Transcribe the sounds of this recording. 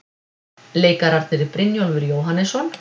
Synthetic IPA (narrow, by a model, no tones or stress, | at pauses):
leːjkaɾaɾ̥t̪ʰɪɾɪpɾɪnjɔlvɪɾjoːwɦanːɛsɔn